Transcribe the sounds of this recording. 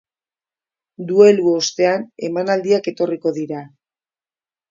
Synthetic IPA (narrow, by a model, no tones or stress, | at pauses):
d̪ue̞luo̞st̪e̞ane̞manald̪iake̞t̪o̞riko̞ðiɾa